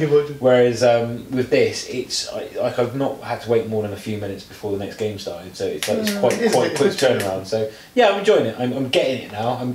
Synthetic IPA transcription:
wəɹɪzʌ̃mwɪðɪsɪtsa̰ɪlaɪkaɪvnəʔhəd̚tʰəweɪʔ̚mɔːðə̃nəfjʉːmɪ̃nɪtsb̥ɪfɔːðənɛksɡ̥ẽɪ̃mstɑ̰ˑtɪ̃d̥səʊɪtslaɪɪtskʰw̥aɪʔkw̥aɪkʰwɪk̚tʰɜːnəɹãʊ̃n̥səʊ | jæãɪ̃m̃nd͡ʒɔɪɪ̃ŋɪtã̰ɪ̃mãɪ̃mɡɛtɪ̃ŋɪʔⁿnaʊãɪ̃m

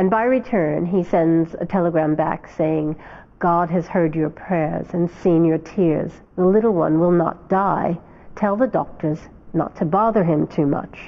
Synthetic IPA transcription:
ɨ̃nbaɪɹitʰɜ̃˞nisɛ̃ndzə̰tʰɛlˠəɡɹæ̃mbæ̰kseɪɪ̃ŋ | ɡ̥ɑdɨz̥hɜ˞d͡ʒə˞pʰɹ̥ɛɹz̥ɨ̃nsĩnjə˞tʰɪɹz | ðəlɪɾl̩ˠwʌ̰̃nwɪlˠnə̰t̚d̥aɪ | tʰɛlˠðədɔ̰k̚tʰə˞z | nə̰tʰːɨbɑðə˞ɪ̃mtʰʉmʌ̰t͡ʃ

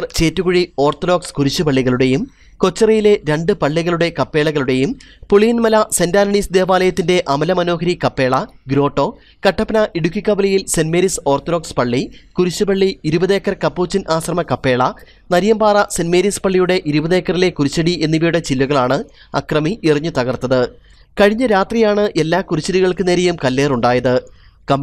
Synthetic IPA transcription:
rt͡ɕe̞ːtːuɣuɻio̞ːrt̪oɾo̞ːkskuɾit͡ɕːupɐɭːiɣɐɭuɽe̞jum | ko̞t͡ɕːɐrɐjile̞ɾe̞ɳɖɨpɐɭːiɣɐɭuɽe̞kɐpːe̞ːɭɐɣɐɭuɽe̞jumpoɭiːnmɐlɐsendaːnɐɳisd̪e̞ːʋaːlɐjɐt̪ːinde̞ʔɐmɐlɐmɐno̞ːɦɐɾikɐpːe̞ːɭɐɡɾo̞ːʈːo̞ː | kɐʈːɐpːɐnɐʔiɽukʲːikːɐbɐlɐjilsenmeːɾiso̞ːrt̪oɾoːkspɐɭːikuɾut͡ɕːɨbɐɭːiːɾubɐðe̞ːkːɐrkɐpːuːt͡ɕːinʔaːɕrɐmɐkɐpːe̞ːɭɐ | nɐɾjɐmbaːrɐsenmeːɾispɐɭːijuɽe̞ʔiɾubɐðeːkːɐrile̞kuɾit͡ɕːɐɽiʔe̞nːiʋijuɽe̞t͡ɕilːuɣɐɭaːɳɨ | ɐ̰krɐmiʔiriɲːut̪ɐɣɐrt̪ːɐðɨ | kɐɻiɲːɐɾaːt̪rijaːɳɨʔe̞lːaːkuɾit͡ɕːɐɾiɣɐɭkɨne̞ːɾejumkɐlːeːruɳɖaːjɐðɨkɐ

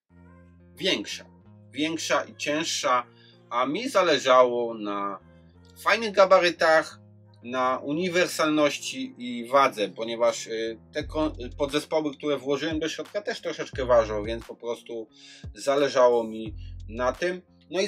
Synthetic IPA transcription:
vʲjɛŋkʂa̰ | vʲjɛŋkʂaʔit͡ɕɛ̃ʂʂa | amʲizalɛʐawɔna | fajnɘɣɡabaɾɘt̪ax | naʔuɲivɛɾsalnɔɕt͡ɕiivad̪zɛpɔɲɛvaʂt̪ɛkɔ̃pɔd̪zɛspɔwɘk̚t̪uɾɛvwɔʐɘwɛmd̪ɔɕɾɔt̪̚kat̪ɛʂt̪ɾɔʂɛt͡ʂkɛvaʐnɔvʲjɛ̃ntspɔpɾɔst̪uzalɛʐawɔmʲinat̪ɘm | nɔi

